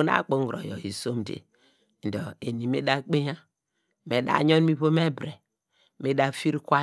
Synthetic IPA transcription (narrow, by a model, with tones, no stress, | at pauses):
na̰˦˨k͡po˨˦ŋɡɾo̰˨jɔ̰˨ḭ˨so˦m˨dḛ˨ | n̩˨dɔ˨e˨ni˨me˦da˦k͡pe˦ɲa˦ | me˨da̰˦˨ɲo˦n˦mi˦βo˦me˦bɾe˨ | me˦da˦˨fi˦ɾi˦kʷa˦